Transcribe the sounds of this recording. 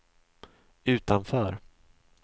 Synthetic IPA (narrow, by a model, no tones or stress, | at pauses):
ʉ̟ːt̪anfœːɾ